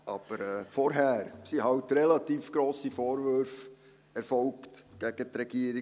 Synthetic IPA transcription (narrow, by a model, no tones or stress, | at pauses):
ʔɑ̰b̥əɾɛːfɔɾɦæːɾsihɑwtɾɛlɑt̪iːfɡ̥ɾoːsifoːɾvøɾf | ɛɾfɔlktɡ̥æɡ̥ətɾɛɡ̥iəɾi